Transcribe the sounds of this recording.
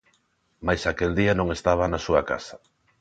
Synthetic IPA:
majsakeld̪ianõŋest̪aβ̞anasuɐka̰sa

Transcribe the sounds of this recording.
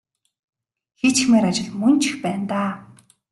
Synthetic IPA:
xet͡ɕxmeːɾat͡ɕɪ̆ɮmɵnt͡ɕʰɪxpæːnt̪aː

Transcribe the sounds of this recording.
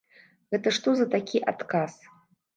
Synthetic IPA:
ɣɛt̪ɐʂt̪ɔzɐt̪akʲiʔa̰t̪kas

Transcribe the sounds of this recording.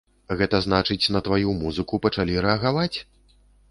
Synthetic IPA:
ɣɛt̪ɐznat͡ʂɨt͡sʲnɐt̪vajumuzɨkupɐt͡ʂalʲiɾɛɐɣavat͡sʲ

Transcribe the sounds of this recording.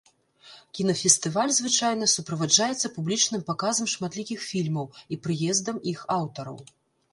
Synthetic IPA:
kʲinɐfʲɛst̪ɨvalʲzvɨt͡ʂajnɐsupɾɐvad͡ʐajɛt̪sːɐpublʲit͡ʂnɨmpakazɐmʂmat̪lʲikʲixfʲilʲmɐwipɾɨjɛzd̪ɐmixawt̪ɐɾɐ̰w

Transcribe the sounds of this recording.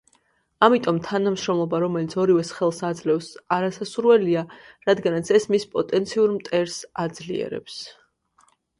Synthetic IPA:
amit̪ʼɔmt̪ʰanamʃɾɔmlˠɔbaɾɔmɛlit̪sʰɔɾivɛsχɛlˠsad̪zlɛfsaɾasasuɾwɛliaɾad̪ɡanat̪sʰɛsmispʼɔt̪ʼɛnt̪sʰiuɾmt̪ʼɛɾsad̪zliɛ̰ɾɛ̰ps

